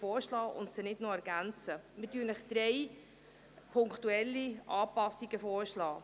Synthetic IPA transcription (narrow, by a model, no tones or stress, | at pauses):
fɔːɾʃlɑːʔʊ̰ntsənɪdnoɛɾɡ̥ænt͡səmɪdyːnəχd̥̪ɾɛj | pʰʊŋktuɛlːiʔɑːpɑsːiɡ̥əfoːɾʃlɑː